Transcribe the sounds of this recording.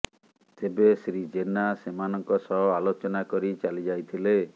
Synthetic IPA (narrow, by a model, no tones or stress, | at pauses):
t̪ebesɾid͡ʒenasemanɔŋkɔsɔɦɔalot͡ʃɔnakɔɾit͡ʃalid͡ʒajt̪ʰile